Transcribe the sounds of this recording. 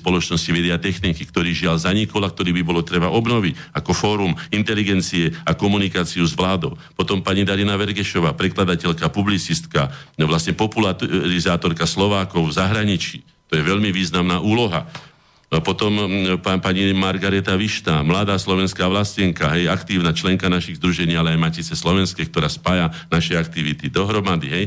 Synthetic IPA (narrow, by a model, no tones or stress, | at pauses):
spɔlɔt͡ʃnɔscimɛd̪ɛat̪ɛxniːkikt̪ɔɾiːʒɪaʎzaɲikɔlak̚t̪ɔɾiːbibɔlɔt̪ɾɛbaʔɔbnɔʋicakɔfɔːɾumint̪ɛliɡɛnt͡siɛakɔmunikaːt͡siuzʋlaːd̪ɔʊpɔt̪ɔmpaɲid̪aɾinaʋɛɾɡɛʃɔʋaːpɾɛklad̪acɛʎkapublit͡sist̪kaʋlasɲɛpɔpulaɾizaːt̪ɔɾkaslɔʋaːkɔʊvzaɦɾaɲit͡ʃiː | t̪ɔjɛʋɛʎmiʋiːznamnaːʔuːlɔɦa | pɔt̪ɔmpapaɲimaɾɡaɾɛt̪aʋiʃnaːmlad̪aːslɔʋɛnskaːʋlascɛŋkaɦɛjakt̪iːʊnat͡ʃlɛŋkanaʃiɣzd̪ɾuʒɛɲiːalɛajmaciːt͡sɛslɔʋɛnskɛːk̚t̪ɔɾaːspajanaʃɛak̚t̪iʋit̪id̪ɔɦɾɔmad̪iɦɛj